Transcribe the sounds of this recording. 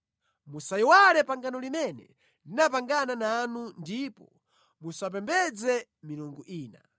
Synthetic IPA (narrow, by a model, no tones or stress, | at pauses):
musajiwalɛpaŋɡanɔlimɛnɛ̰ | linap̬aŋɡananaːnundipɔ | musap̬ɛmbɛd͡zɛ | miluŋɡuʔiːna̰